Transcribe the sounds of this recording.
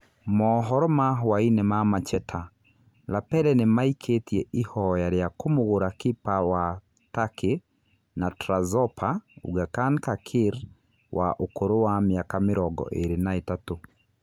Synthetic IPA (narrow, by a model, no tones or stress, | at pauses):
mɔɦɔɾɔmawainɛmamat͡ʃɛtʰa | lapɛɾɛnemaikʰetjɛihɔjaɾjakomoɣoɾakepawa | take | natɾazɔpʰaṵɣakankakʰiɾ | wʔaʔokoɾowamjakameɾɔɡɔ̰ʔeɾenaetato